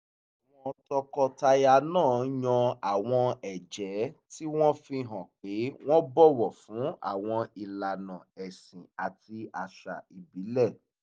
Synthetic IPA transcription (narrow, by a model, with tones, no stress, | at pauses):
a˨w̃ɔ̃˧tɔ˧kɔ˧ta˧ja˧nãː˦˨˦ɲɔ̃˧a˨w̃ɔ̃˧ɛ˨d͡ʒɛ˨˦ti˦w̃ɔ̃˦fi˧ɦɔ̃˨k͡pe˨˦w̃ɔ̃˦bɔ˦wɔ˨fũ˨˦a̰˦˨w̃ɔ̃˧i˨la˨nã˨ɛ˨sĩ˨a˨ti˧a˨ʃa̰˨i˨bi˨˦lɛ˦˨